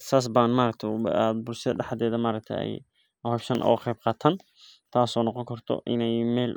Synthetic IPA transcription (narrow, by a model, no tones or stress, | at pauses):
saːs̬baːnmaːɾɐk̚t̪ʰɛjad̪̚bʊlsɐðɐ̰ɖɑħɑðɛːðɐmaːɾɐk̚t̪ʰɛ̰jɛ̰j | hɛjsɐnʔɔ̰ːqɛjb̚qɑːt̪ʰaːn | t̪ʰaːsɔːnɔqɔŋkʰɐrt̪ʰɔ̰ʔɪ̰nɛjmɛːl